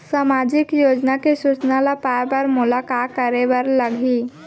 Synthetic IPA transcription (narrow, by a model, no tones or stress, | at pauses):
samad͡ʒɪkjod͡ʒnakesut͡ʃnalapajbəɾmulakat̪kəɾeʋəɾləɡʱiː